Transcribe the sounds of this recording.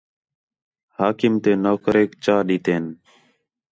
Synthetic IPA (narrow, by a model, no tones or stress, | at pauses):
haːkɪmt̪eːnoːkɾeːkt͡ʃaːɗiːt̪eːn